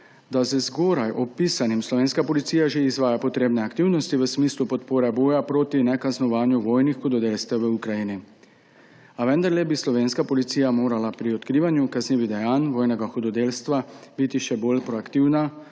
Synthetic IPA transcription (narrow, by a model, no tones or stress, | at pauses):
d̪azəzɡoːɾajʔɔpisanimslɔʋeːnskapɔlit̪siːjaʒeizʋaːjapɔt̪ɾeːbnɛakt̪iwnɔst̪iʋəsmiːslupɔt̪poːɾɛboːjapɾoːt̪inɛkaznɔʋaːnjuʋoːjnixxɔd̪ɔd̪eːlst̪ʋɛwʋəukɾajini | aʋɛnd̪aɾlɛbislɔʋeːnskapɔlit̪siːjamoːɾalapɾiɔt̪kɾiːʋanjukazneːʋid̪ɛjaːnʋoːjnɛɡaxud̪ɔd̪eːlst̪ʋabit̪iʃɛboːlpɾɔakt̪iwna